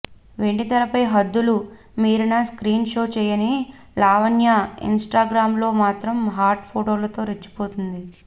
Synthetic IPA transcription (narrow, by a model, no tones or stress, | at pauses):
ʋe̞ɳʈit̪ɐlɐpɐjɦɐd̪ːulu | miːɾunɐskɾiːnʃo̞ːt͡ʃɛːjɐni | laːʋɐnjaḭnsʈaːɡɾaːmlo̞ːmaːt̪ɾɐmɦaːɾʈpʰoːʈoːlɐt̪o̞ːɾet͡ʃːi̥po̞ːt̪und̪i